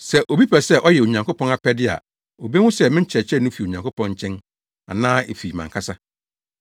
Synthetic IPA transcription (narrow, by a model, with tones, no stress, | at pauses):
sɛ˨ʔo˨bi˦pʰɛ˨sɛ˦ʔɔ˦jɛ˨o˨ɲã˨ŋko˦pʰɔ̃˦na˨pɛ˦dɪ˦a̰˨ | o˨be˦wʊ̃˦sɛ˦mɪ̃˦t͡ɕʰɛ˨t͡ɕʰɛ˦nʊ̃˦fi˨o˨ɲã˨ŋko˦pʰɔ̃˦nɲ˦t͡ɕʰɛ̃˦n | a˨nãː˦e˨fi˨mã˨ŋkʰa˦sa˦